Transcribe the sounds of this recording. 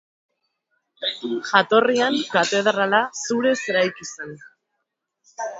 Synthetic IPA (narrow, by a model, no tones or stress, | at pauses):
ʝat̪o̞riaŋkat̪e̞ðɾalasuɾe̞seɾajkisen